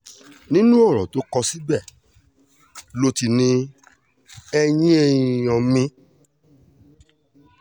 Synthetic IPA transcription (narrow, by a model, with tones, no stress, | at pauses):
nĩ˦nũ˦ɔ˦˨ɾ̃ɔ̰̃˨to˨˦kɔ˧si˨˦ɡ͡bɛ˦˨ | lo˧ti˧nĩ˦ | ɛ˧j̃ĩ˦e˦˨jĩ˨jɔ̃˨mĩ˧˦